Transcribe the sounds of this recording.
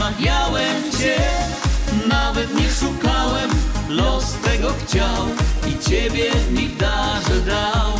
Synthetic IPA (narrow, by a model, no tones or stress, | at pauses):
avʲjawɛmt͡ɕɛ | navɛt̪ɲɛʂukawɛmlɔst̪ɛɡɔxt͡ɕawit͡ɕɛbʲjɛzɲiɡd̪aʐɛd̪aw